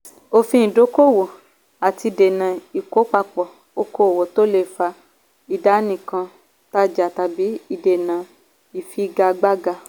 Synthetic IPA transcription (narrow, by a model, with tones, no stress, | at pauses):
o˧fĩ˦ĩ˨do˨˦ko˦˨wo˨ | a˨ti˧i˧˨de˨nã˨i˨ko˨˦k͡pa˧k͡pɔ˨ | o˦ko˧˦o˨wo˨to˦le˦˨fa˧ | i˨da˨˦nĩ˨kã˧ | ta˦d͡ʒa˨ta˧bi˨˦i˦˧de˨nã˨ | i˨fi˦ɡa˧ɡ͡ba˦ɡa˧